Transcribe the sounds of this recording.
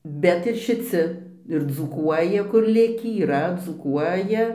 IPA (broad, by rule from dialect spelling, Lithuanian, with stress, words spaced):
ˈbʲɛt ɪr ʃʲɪˈt͡sʲɪ ɪr d͡zuːˈkuɔjɛ kʊr ˈlʲɪkʲiː iːˈrɐ d͡zuːˈkuɔjɛ